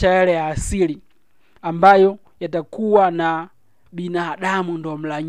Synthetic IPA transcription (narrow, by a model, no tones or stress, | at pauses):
aɛɾɛjaːsili | ambajɔ | jatakuwana | ɓinaːɗamundɔm̩laɲ